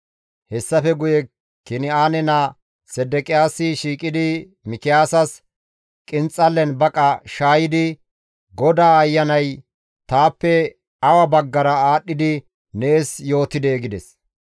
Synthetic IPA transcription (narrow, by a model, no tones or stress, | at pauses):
hɛsːɐfɛɡʊjɛ | kɪnɪaːnɛna | sɛd̪ɛkʼɪjaːsɪʃiːkʼɪd̪ɪ | mɪkɪjaːsɐs | kʼɪnt͡sʼːɐlːɛnbɐkʼɐʃaːjɪd̪ɪ | ɡɔd̪aːɐjːɐnɐj | t̪aːpːɛ | ɐwɐbɐɡːɐɾɐaːɗːɪd̪ɪ | neːsjo̞ːt̪ːɪd̪eːɡɪd̪ɛs